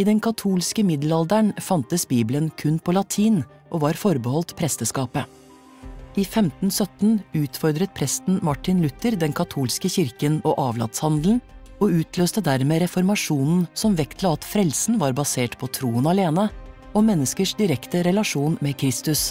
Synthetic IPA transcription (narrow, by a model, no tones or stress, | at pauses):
iːd̪ɛnkʰɑt̪ʰuːlskəmɪd̪l̩ɑld̪əɳfɑnt̪əsbiːblənkʰʉnpʰoːlɑt̪ʰiːn | ʔoːʋɑːɾfɔɾbəhɔlt̪pʰɾɛst̪əskɑːpə | iːfɛmt̪n̩sœt̪n̩ʉːt̪fɔɾd̪ɾət̪̚pʰɾɛst̪n̩mɑʈɪnlʉt̪əɾd̪ɛnkʰɑt̪ʰuːlskəçɪɾkənoːʔɑːʋlɑ̰t̪shɑnd̪ln̩ | oːʉːt̪ʰløːst̪əd̪æɾmeːɾɛfɔɾmɑʂuːnn̩sɔmʋɛkt̪ʰlɑɑt̪fɾɛlsn̩ʋɑːɾbɑseːʈpʰoːt̪ʰɾuːənɑleːnə | omɛnːəskəʂd̪ɪɾɛkt̪əɾɛlɑʂuːnmɛkʰɾɪst̪ʉs